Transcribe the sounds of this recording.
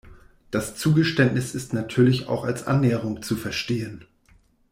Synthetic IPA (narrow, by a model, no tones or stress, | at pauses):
d̥ast͡suːɡəʃtɛntnɪsɪstnatʰyːɐlɪça̰ʊxalsʔa̰nːɛːəʁ̞ʊŋt͡sufɛɐʃteːən